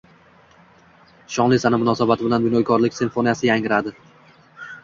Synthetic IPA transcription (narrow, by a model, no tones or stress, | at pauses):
ʃɒŋlˠɪjsanɪmʊnɒsabat̪ʰɪbɪlanbɪnɒjkʰɒɾlɪkʲsɪnfonijasɪjaŋɪɾad̪ɪ